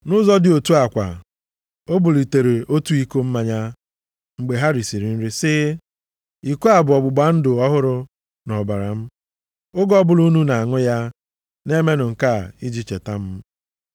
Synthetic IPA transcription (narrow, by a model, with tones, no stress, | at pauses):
nʊ˦zɔ˦dɪ˨o˨tu˦a˨kʷa̰˨ | o˦bʊ˨li˨te˨ɾe˨o˦tu˦i˦ko˦m̩˦ma˨ɲa˦ | ŋ͡m̩˨ɡ͡be˨ɦa˦ɾi˨si˨ɾi˨n̩˦ɾi˦sɪ˦ | i˨ko˦a˨bʊ˨ɔ˨ɡ͡bʊ˨ɡ͡ba˨˦n̩˦dʊ˨ɔ˦ɦʊ˦ɾʊ˦ | nɔ˨ba˨ɾa˨m̩˦ | ʊ˦ɡɔ˦bʊ˨lu˦nu˦na˨a˨ŋʊ˦ja˦ | ne˦me˦nʊ˨ŋ̩˨ka˦˨i˦d͡ʒi˦t͡ʃe˨ta˦m̩˦